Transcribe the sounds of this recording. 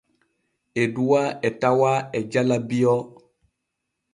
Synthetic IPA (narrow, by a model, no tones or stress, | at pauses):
eduwaɛtawaɛd͡ʒalabiɔ